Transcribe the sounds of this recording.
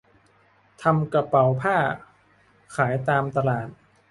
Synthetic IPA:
t̪ʰa˧mka˧pa˩wpʰaː˥˩ | kʰaː˩˦jt̪aː˧mt̪a˧laː˨˩t̪̚

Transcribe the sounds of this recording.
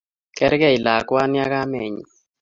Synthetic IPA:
kɛ˦ɾkɛ˦˨i˨la˨kwa˦nja˦ka˦mɛ˨ɲi˨

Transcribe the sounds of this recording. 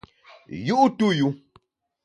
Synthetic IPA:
ju˦ʔu˦tu˦ju˦

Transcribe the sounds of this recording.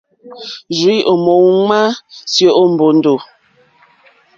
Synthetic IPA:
d͡ʒi˦ʔo˨mo˨wŋa˦sjo˦˨ʔo˦m̩˨bo˨n˦do˨

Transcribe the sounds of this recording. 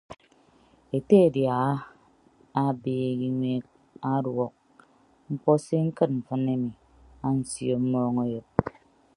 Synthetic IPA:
e˨te˦e˨dja˨˦ | a˦biː˦˨˦ɣi˦ŋwe˦k̚ | a˦ɾwɔ˨k̚ | ŋ͡m̩˦k͡pɔ˦se˦ŋ̩˦kɨ˦t̚m̩˨fɨ˦ne˦mi˨ | a˦n̩˦sjo˨m̩˦mɔ˦ŋo˦jɨ˨p̚

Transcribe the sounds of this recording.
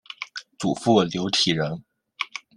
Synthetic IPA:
t͡sṵ˨˩fu˥˩ljo˧˥ʊt̪ʰi˨˩ɻə˧˥n

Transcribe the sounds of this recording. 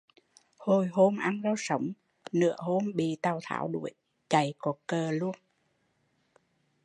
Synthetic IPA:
ho˧˩jɦo˧mʔa˧nzaː˧wsə˨˦wŋ͡m | nɨ̰˧˥əho˧mɓḭ˧˨t̪aː˨˩wt̪ʰa̰ː˧˩˦wɗu˧˩əj | t͡ɕa˨˩jkɔ˨˩kəː˨˩lu˧ən

